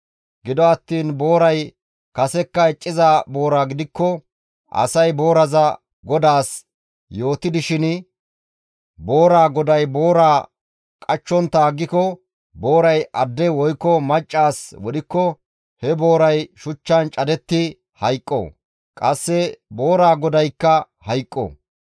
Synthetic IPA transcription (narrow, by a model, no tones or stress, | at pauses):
ɡɪd̪ɔɐt̪ːiːnbo̞ːɾɐj | kɐsɛkːɐɛt͡ʃʼːɪzaːbo̞ːɾaːɡɪd̪ɪkːɔ | ʔɐ̰sɐjbo̞ːɾɐzɐ | ɡɔd̪aːs | jo̞ːt̪ɪd̪ɪʃɪn | bo̞ːɾaːɡɔd̪ɐjbo̞ːɾaː | kʼɐt͡ʃːɔnt̪ːaːɡːɪkɔ | bo̞ːɾɐjʔɐd̪ːɛwɔjkːɔmɐt͡ʃʼːaːswɔɗɪkːɔ | hɛbo̞ːɾɐjʃʊt͡ʃːɐnt͡ʃʼɐd̪ɛt̪ːɪ | hɐjkʼːo̰ | kʼɐsːɛbo̞ːɾaːɡɔd̪ɐjkːɐ | hɐjkʼːo̰